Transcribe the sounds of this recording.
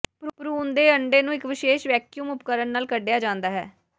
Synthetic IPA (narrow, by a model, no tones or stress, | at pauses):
ppɾuːnd̪eːəɳɖeːnũːɪkʋɪʃeːʃʋɛːkjuːmʊp̚kəɾəɳnaːlkəɖejaːd͡ʒãːnd̪aːɦɛ̰ː